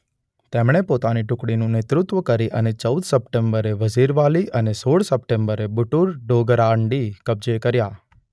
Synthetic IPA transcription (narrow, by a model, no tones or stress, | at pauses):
t̪emɽ̃epot̪aniʈʊkɽinũnɪt̪ɾʊt̪ʋəkəɾiʔənet͡ʃəud̪səpʈembəɾeʋəd͡ʒiɾʋaliʔənesoɽsəp̚ʈembəɾebʊʈuɾɖoɡɾaɳɖikəb̚d͡ʒekəɾja